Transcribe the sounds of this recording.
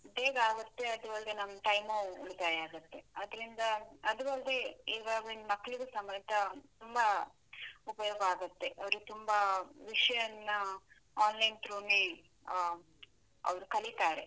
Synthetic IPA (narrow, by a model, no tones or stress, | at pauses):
beːɡaːɡɐt̪ːe̞ɐd̪uʋɐld̪enɐmːɐʈɐjmuuɭit̪aːjaːɡɐt̪ːe̞ɐd̪ɐɾind̪ɐɐd̪uʋɐld̪eiːʋaːɡinmɐkːɐɭiɡusɐmɐjt̪ɐt̪umbɐ | upɐjɔːɡɐaːɡɐt̪ːe̞ʔɐʋɐɾut̪umbɐʋiʂɐjɐnːɐ | aːnlɐjnt̪ɾoːne | ɐ̰ʋɐɾukɐlit̪aːɾe